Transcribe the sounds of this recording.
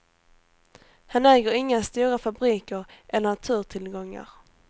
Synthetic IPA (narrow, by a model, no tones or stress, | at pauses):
hanɛːɡəɾɪŋːast̪uːɾafabɾiːkəɾʔɛlːənat̪ʰʉ̟ːɾʈ̪ʰɪlɡɔŋːa̰ɾ